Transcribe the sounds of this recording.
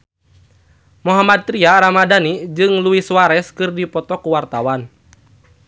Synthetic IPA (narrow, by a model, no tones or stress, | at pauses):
muɦamad̪̚t̪ɾiaɾamadanid͡ʒɨŋluiswaɾɛskɨrdipɔt̪ɔkuwart̪awan